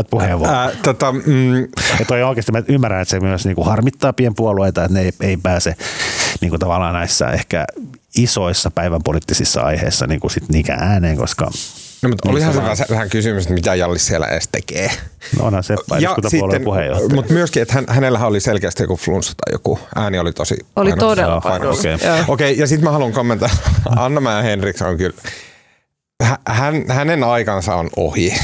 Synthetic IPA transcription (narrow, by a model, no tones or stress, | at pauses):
t̪̚puheʋʋot̪ot̪ɑ | et̪ojoikest̪ːmæymːærænet̪semyøsniːŋkuhɑrmit̪ːɑːpiempuolueit̪ɑet̪neeieipæːseniːŋkut̪ɑʋɑlːɑːnnæisːɑ̰ʔehkæ̰ | isoisːɑpæiʋæmpolit̪ːisisːɑ̰ɑ̰ihḛisːɑ̰niːŋkusit̪niːkæ̰ʔæːneːŋko̰skɑ̰nmut̪olihɑnseʋæsæʋæhæŋkysymyset̪mit̪æjɑlːissielæ̰ʔḛːstt̪ḛkeːno̰ʔo̰nhɑnsepːɑijɑuɑsitolːenpuhḛjo̰ht̪mut̪myøskiet̪hænhænelːæhæoliselkeæst̪ijo̰kuflunsːɑ̥t̪ɑ̰jo̰kuʔæːniolit̪osḭolint̪odeɑo̰keːookeijɑsit̪mæhɑluŋkomːent̪ɑɑɑnːɑmæːhenrikso̰ŋkyl | hæhænhænenɑikɑnsɑono̰hi